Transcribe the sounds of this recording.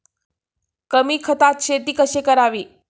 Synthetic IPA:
kəmiːkʰət̪at̪ɕet̪iːkəɕekəɾaʋiː

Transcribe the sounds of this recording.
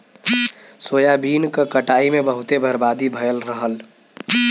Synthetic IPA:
soːjabiːnkəkəʈaːimebəɦut̪ebʱəɾbad̪ibʱəjəlɾəɦəl

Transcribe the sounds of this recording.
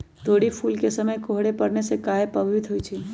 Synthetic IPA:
t̪oːɽipʰuːlkesəməjkoɦɽepəɽnesekaːepəbit̪ɦot͡ʃʰi

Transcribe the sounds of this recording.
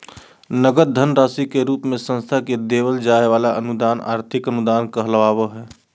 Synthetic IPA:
nəɡət̪̚d̪ʱənɾaːsikeɾuːpmẽsə̃nst̪ʰaked̪eːwəld͡ʒaːeʋaːlaʔənud̪aːna̰ːɾt̪ʰɪkənud̪aːnkəɦlʋaːwəɦɛː

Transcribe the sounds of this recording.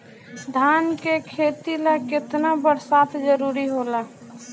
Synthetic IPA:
sd̪ʱaːnkekʰeːt̪ilakɪt̪nabəɽsaːt̪ʰd͡ʒəɾuːɾiɦoːla

